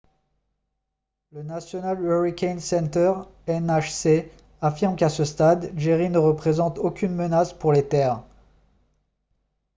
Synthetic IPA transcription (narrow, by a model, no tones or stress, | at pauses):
lənasjɔnalɛʁikʲɛnsɛnt̪œʁɛnaʃse | afiʁmkasəst̪ad̪ʒeʁinəʁəpχezɑ̃t̪okʲynmənaspuʁlet̪ɛːʁ